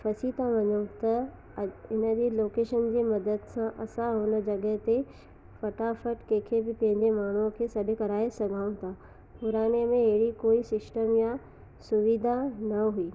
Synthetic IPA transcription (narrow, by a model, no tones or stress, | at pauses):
fɐsiːt̪ãʋɐɲə̃t̪ɐ | ɪnə̆d͡ʑeloːkeːʃənd͡ʑeːmɐd̪əd̪sãʔɐsãɦʊnə̆d͡ʑɐɠəɦt̪e | fɐʈafəʈkẽːkʰebɪpɐ̃ɦɪ̃ɲd͡ʑemaːɳ̤ukʰeːsɐɗʱekɐɾaːesɐɡʱaːʊ̃t̪ʰa | pʊɾaːñemẽɦɐɦɪɽikoːisɪsʈəmja | sʊʋid̪ʱanɐɦuiː